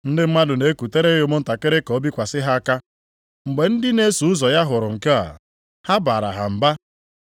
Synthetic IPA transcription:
n̩˦dɪ˦m̩˦ma˦dʊ˨ne˨˦ku˨te˦ɾe˦ʊ˨˦mʊ˦n̩˦ta˨ke˦ɾe˦ko˨˦bi˦kʷa˨sɪ˦ɦa˦a˦ka˦ | ŋ͡m̩˨ɡ͡be˨n̩˦dɪ˦ne˦su˨ʊ˦zɔ˨ja˦ɦʊ˨ɾʊ˨ŋ̩˨ke˦a̰˨ | ha˦baː˨ɾa̰˨ɦa̰˨m̩˨ba˦

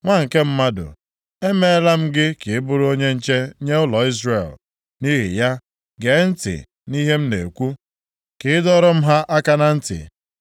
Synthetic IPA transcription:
ŋʷa˦˨ŋ̩˨ke˦m̩˦ma˦dʊ̰˨ | e˦me˦la˦m̩˦ɡɪ˦kɪ˨ɪ˦bʊ˦ɾʊ˦o˦ɲe˦n̩˦t͡ʃe˦ɲe˦ʊ˦lɔ˨i˦zre˨l | ni˦ɦɪ̰˨ja˦ | ɡe˨˦n̩˦tɪ̰˨ | ni˦ɦe˦m̩˦nḛ˨kʷu˦ | kɪ˨ɪ˦dɔ˦ɾɔ˦m̩˦ɦa˦ʔa˦ka˦na˦n̩˦tɪ̰˨

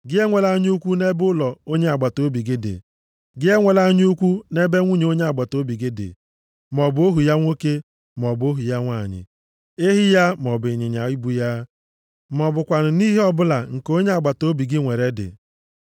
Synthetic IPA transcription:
ɡɪ˦e˦ŋʷe˨la˦ɲ˦u˦kʷu˦ne˦bʊ˦lɔ˨o˦ɲe˦a˨ɡ͡ba˨to˦bi˨ɡɪ˦dɪ̰˨ | ɡɪ˦e˦ŋʷe˨la˦ɲ˦u˦kʷu˦ne˦be˦ŋʷu˦ɲe˨o˦ɲe˦a˨ɡ͡ba˨to˦bi˨ɡɪ˦dɪ̰˨ | mɔ˨bʊ˦o˦ɦu˨ja˦ŋʷo˦ke˦ | mɔ˨bo˦ɦu˨ja˦ŋʷa˨ɲɪ̰˨ | e˦ɦi˦ja˦mɔ˨bɪ˨ɲɪ˨ɲa˨i˦bu˦ja˦ | mɔ˨bʊ˨kʷa˨nʊ˨ni˦ɦe˦ɔ˦bʊ˦la˨ŋ̩˨ko˦ɲe˦a˨ɡ͡ba˨to˦bi˨ɡɪ˦ŋʷe˨ɾe˨dɪ̰˨

